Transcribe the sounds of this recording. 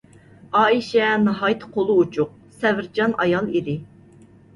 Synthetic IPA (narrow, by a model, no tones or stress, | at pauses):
ɑːiʃɛnɑɦɑjt̪ʰɨ̥qʰolˠuut͡ʃʰʊq̚ | sɛvɪɾd͡ʒɑnɑjɑlˠid̪ɪ